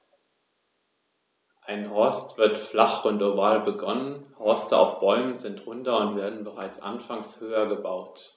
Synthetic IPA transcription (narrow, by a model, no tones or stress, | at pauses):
ʔaɪnhɔɐstv̥ɪɐtflaχʊntovaːlbəɡɔnənhɔɐstəa̰ʊfb̥ɔʏmənzɪntʁʊntɐʊntv̥eːɐdn̩bəʁaɪt͡sʔa̰nfaŋshøːɐɡəbaʊt